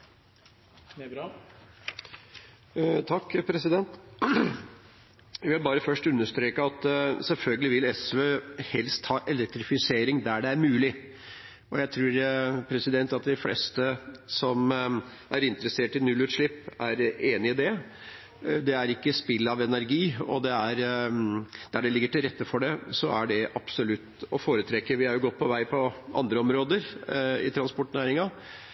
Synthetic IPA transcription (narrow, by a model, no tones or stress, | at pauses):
t̪ʰɑkːpʰɾɛsɪd̪ɛnt̪ | ʋɪɑbɑːɾəfœʂʈʉnːəʂt̪ɾeːkəɑt̪sɛlfœlɡəlɪʋɪlɛsʋøːhɛlst̪hɑːʔɛlɛk̚t̪ɾɪfɪseːɾɪŋd̪æɖɛæɾmʉːlɪ | ɔjæɪt̪ʰɾuːɾpʰɾɛsɪd̪ɛnt̪ɑt̪d̪ɪflɛ̰st̪əsɔm | ʔæɾɪnt̪ɾəseːʈɪnʉlːʉːt̪ʂɭɪpːæɾeːnɪɪd̪ɛ | d̪ɛæɾɪkːəspɪlːɑʋɛnæɾɡiːɔ̰d̪ɛæɾ | d̪̥æɖɛlɪɡːəʈɪlɾɛt̪ːəfɔɖɛsɔæɖɛʔɑpsʊlʉt̪ːɔfoːɾət̪ʰɾɛkːəɾʋɪhɑɾjʊɡɔt̪̚ːpʰɔʋæɪpʰɔʔɑ̰nd̪ɾəɔmɾoːd̪əɾɪ̰t̪ʰɾɑnspɔʈːnæːɾɪŋɑ